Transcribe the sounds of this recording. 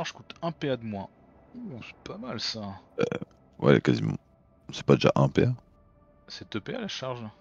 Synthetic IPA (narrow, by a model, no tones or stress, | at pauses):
aʁʒkut̪ɛ̃pead̪əmwa | osɛ̥pamalsaɛ̰ | wʔɛ̰kazimɑ̰̃ | sɛ̥pad̪eʒa̰ʔɛ̃pɛ̰a | sɛt̪əpealaʃaʁʒ